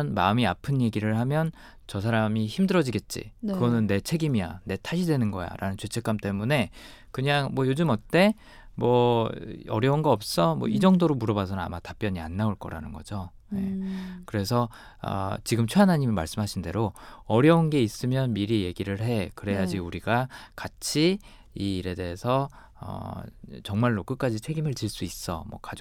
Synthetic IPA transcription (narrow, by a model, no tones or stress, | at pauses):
nmaɯmiapʰɯnje̞ɡiɾɯɭhamjʌn | t͡ɕʌsʰaɾamiçimdɯɾʌd͡ʑiɡe̞t̚t͡ɕ͈ḭkɯɡʌnɯnːe̞t͡ɕʰe̞ɡimija̰ne̞tʰaɕʰidwe̞nɯnɡʌ̰ja̰ɾa̰nɯnt͡ɕwet͡ɕʰe̞k͈amt͈e̞mune̞ | kɯɲaŋmwʌjod͡ʑɯmʌt̚t͈e̞ | mwʌ | ʌ̰ɾjʌunɡʌʌp̚s͈ʌmwʌ̰id͡ʑʌŋdoɾomuɾʌbasʰʌnaa̰matap͈jʌɲia̰nːaoɭk͈ʌ̰ɾa̰nɯnɡʌ̰d͡ʑo | je̞̰kɯɾe̞s̬ʰʌ | ʌ̰t͡ɕiɡɯmt͡ɕʰweanɦaɲimima̰ɭs͈ɯmɦaɕʰinde̞ɾoʌɾjʌunɡe̞is͈ɯmjʌnmiɾije̞ɡiɾɯɭɦe̞kɯɾe̞jad͡ʑiuɾiɡakat͡ɕʰi | iːɾe̞de̞esʰʌ | ʌ̰t͡ɕʌŋmaɭːok͈ɯk͈ad͡ʑit͡ɕʰe̞ɡimɯɭt͡ɕiɭs͈uis͈ʌ̰mwʌ̰ka